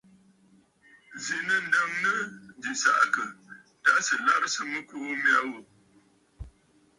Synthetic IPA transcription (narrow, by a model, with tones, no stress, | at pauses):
zi˨nə˦n̩˨da˦ŋnə˦di˨sa̰˨ʔkə˨ | ta˦sɨ˨la˦bsɨ˦mɨ˦ku˦m˦a˦wo˨